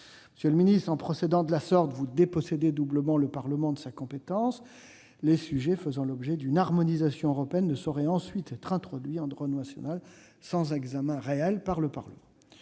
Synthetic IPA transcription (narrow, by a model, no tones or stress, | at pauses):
mməsjələminist̪χɑ̃pχɔsed̪ɑ̃d̪əlasɔʁt̪vud̪epɔsed̪ed̪ubləmɑ̃ləpaʁləmɑ̃d̪əsakɔ̃pet̪ɑ̃s | lesyʒɛfəzɑ̃lɔbʒɛd̪ynaʁmɔnizasjɔ̃øʁɔpeɛnːəsɔʁɛɑ̃sɥit̪ʰɛt̪χɛ̃t̪χɔd̪ɥiɑ̃d̪ʁɔnnasjɔ̰nal | sɑ̃zɛɡzamɛ̃ʁeɛlpaʁləpaʁləmɑ̃